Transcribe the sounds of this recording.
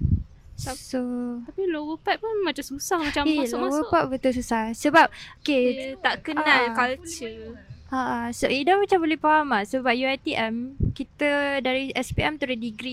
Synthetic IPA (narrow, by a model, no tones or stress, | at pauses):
asoapilowəpat̪̚pʊnmat͡ʃamsusahmat͡ʃamelowəpat̪̚bət̪uls̬usahsəbap̚oket̪aʔkənãlkalt͡ʃəaʔasoidamat͡ʃambolɛhpaɦamasəbap̚juajt̪iʔɛmkit̪ədaɾiɛspiɛmt̪uɾidiɡɾi